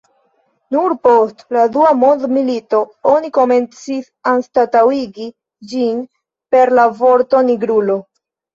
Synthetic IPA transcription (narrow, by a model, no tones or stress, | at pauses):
nuɾpo̞stladuamo̞ndmilito̞o̞niko̞me̞nt͡sisanstatawiɡi | d͡ʒin | pe̞ɾlavo̞ɾto̞niɡɾulo̞